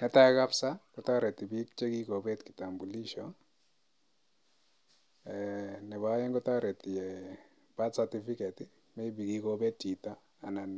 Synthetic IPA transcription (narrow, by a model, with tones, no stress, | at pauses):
nɛ˨ta˦ka˦psa˦kɔ˨˦ta˦ɾɛ˨ti˨bi˦kt͡ʃe˦ɡi˦ko˨bɛ˦tki̥˨ta˨mbu˨li˦ʃɔn | ɛnɛ˨βa˦jɛ˦ŋɡɔ˦ta˦ɾɛ˨ti˨jɛ˨ | b̥a˦tsa˨ti˦fi˦kɛ˨ti˦ | mɛ˦bi˨ɡi˨ko˦bɛ˦tːi˨taː˦˨na˨n